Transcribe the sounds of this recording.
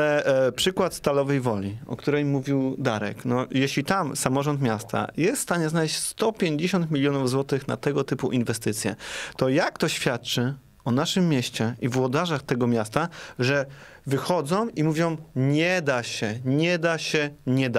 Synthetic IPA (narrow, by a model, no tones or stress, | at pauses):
alɛpʂɘkwat̪st̪alɔvɛjvɔlʲiɔ̰kt̪uɾɛjmuvʲiwd̪aɾɛ̰knɔjeɕlʲit̪amsamɔʐɔnt̪mʲjast̪ʰa̰jɛst̪st̪aɲɛznalɛɕt͡ɕst̪ɔpʲjeɲd͡ʑeɕɔnt̪mʲilʲjɔnuvzwɔt̪ɘxna̰t̪ɛɡɔt̪ɘpuʔinvɛst̪ɘt̪sʲjɛ̰t̪ɔjakt̪ɔɕfʲjat̪̚t͡ʂɘ | ɔnaʂɘmːjɛɕt͡ɕɛivwɔd̪aʐaxt̪ɛɡɔmʲjast̪aʐɛ | vɘxɔd̪zɔ̃w̃imuvʲjɔ̃w̃ɲɛd̪aɕɛɲɛd̪aɕɛɲɛd̪a